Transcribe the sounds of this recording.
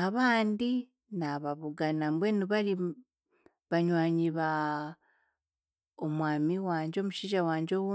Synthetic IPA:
aβaːndi | naβaβuɡanambweniβaɾi | βaɲwaːɲiβa | omwaːmiwaːɲɟeo̞muʃiːʒawaːɲɟo̞wu

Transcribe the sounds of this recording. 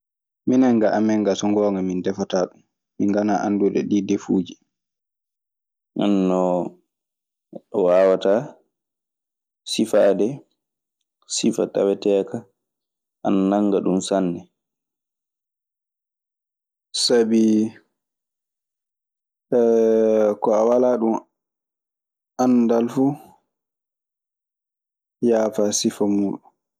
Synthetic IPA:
minaŋɡaʔamɛŋɡasɔŋɡɔːŋɡamindɛfataːɗumː | iŋɡanaʔanduɗɛ̰ɗidefuːd͡ʒi | ʔanːɔ | ɗɔwawata | sifadɛ | sifatawɛtɛka | ʔannaŋɡaɗumsanːɛ | sabi | kɔawalaːɗum | ʔandalfu | jaːfasifamuːɗu

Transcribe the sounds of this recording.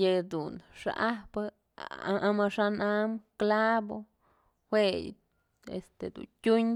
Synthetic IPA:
jed̪unʂa̰ʔaba | aamaʂanamklabo | xʷej | ḛst̪ed̪ṵkʲuɲ

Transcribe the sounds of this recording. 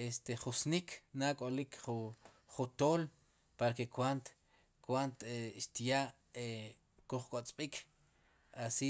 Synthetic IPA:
est̪eχusnikʰnakʼolikχu | χut̪oːl | paɾkekwant̪ | kwant̪eʃt̪jaːʔ | e | kuχkʼot͡sʼɓ̥ikʰ | asi

